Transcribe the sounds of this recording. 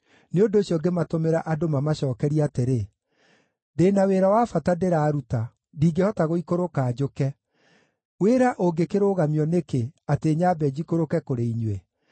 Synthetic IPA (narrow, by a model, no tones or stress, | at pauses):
neondoːɕjɔɡematomeɾaʔadomamaɕɔːkɛɾiateɾe | deːnaweɾawaːfatadeɾaːɾuta | diːɡehɔtaɣoikoɾokaːd͡ʑokɛ | weːɾaʔoɡekeɾoːɣamiɔnekeateːɲaːbɛd͡ʑikoɾokɛkoɾeiɲwe